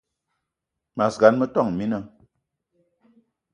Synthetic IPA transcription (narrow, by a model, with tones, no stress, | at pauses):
ma˨sɡa˨˦nmə˦tɔ˦˨ŋ˨mi˦nə˦˨